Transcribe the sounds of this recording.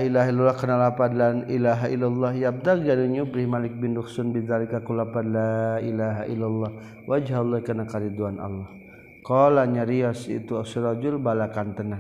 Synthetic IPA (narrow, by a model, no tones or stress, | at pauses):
ailaɦilːalːɑhkənalapadlanilaɦaʔilːalːɑhjab̚d̪akɡaduɲubɾihmalɪk̚bindʊksʊnbiðalikakulapadlailaɦaʔḭlːalːɑh | wad͡ʒhalˠːɑhkanakaɾid̪uana̰lːɑh | kɔlaɲaɾiasḭt̪uasiɾɑd͡ʒʊlbalakant̪əna